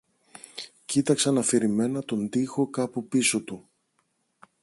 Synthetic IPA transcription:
cit̪ɐksɐnɐfiɾime̞nɐt̪o̞nd̪ixo̞kɐpupiso̞t̪u

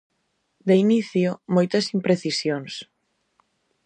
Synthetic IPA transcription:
d̪einiθjomojt̪ɐsimpɾeθisjoŋs

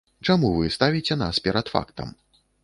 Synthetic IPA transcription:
t͡ʂamuvɨst̪avʲit͡sʲɛnaspʲɛɾɐt̪fa̰kt̪ɐ̰m

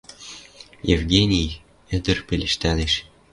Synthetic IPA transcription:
jevɡʲenʲij | ɘ̆d̪ɘ̆rpʲelʲɘ̆ʃt̪ælʲeʃ

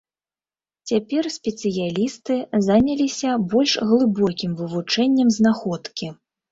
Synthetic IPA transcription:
t͡sʲapʲɛrsʲpʲɛt̪sɨjalʲist̪ɨzanʲɐlʲisʲɐbɔlʲʂɣlˠɨbɔkʲimvɨvut͡ʂɛnʲːɛmznaxɔt̪kʲi

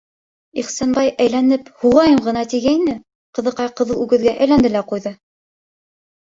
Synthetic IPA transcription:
iχsænbɑjʔæjlænɘphuʁɑjɤɴʁɤ̆nɑt̪iɡæinɘ | qɤ̆ðɤ̆qɑjqɤ̆ðɤ̆lˠʉɡɘ̆ðɡæʔæjlænd̪ɘlæqujðɤ

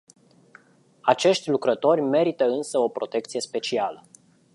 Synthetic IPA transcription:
at͡ʃe̞ʃt̪ʲlukɾət̪o̞rʲme̞ɾit̪əɨnsəo̞pɾo̞t̪e̞k̚t̪sije̞spe̞t͡ʃialə

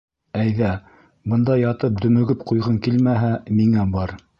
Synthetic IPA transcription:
æjðæ | bɤ̆nd̪ɑjɑt̪ɤp̚d̪ɵ̆mɵ̆ɡɘpqujʁɤŋkilmæɦæmiŋæbɑɾ

